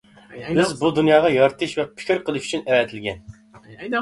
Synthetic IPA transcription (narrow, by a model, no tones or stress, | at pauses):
bɪzbud̪unjɑːʁɑjɑɾt̪ʰɨʃvɛpʰɪ̥kʲʰɪɾqʰəlˠɨʃy̥t͡ʃʰynɛɾɛt̪ʰɪlɡʲɛn